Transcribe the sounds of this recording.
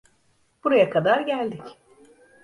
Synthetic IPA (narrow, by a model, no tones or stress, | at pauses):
b̥uɾajakʰad̪aɾɟælʲd̪ic